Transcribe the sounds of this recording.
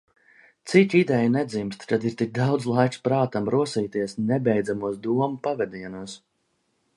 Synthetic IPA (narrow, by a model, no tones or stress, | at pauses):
t̪sikʲid̪ɛjnɛd̪zimst̪kad̪iɾt̪ik̚d̪awd̪zlˠajkspɾaːt̪amɾuɔsiːt̪iɛsnɛbɛjd̪zamuɔsd̪uɔmupavɛd̪iɛnuɔs